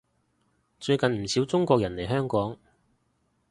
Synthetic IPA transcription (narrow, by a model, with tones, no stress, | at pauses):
t͡ʃɵ˧ɥkɐ˨nm̩˨˩siː˨˥wt͡sʊ˥ŋkʷɔː˧k̚jɐ˨˩nle˨˩jɦœː˥ŋkɔː˨˥ŋ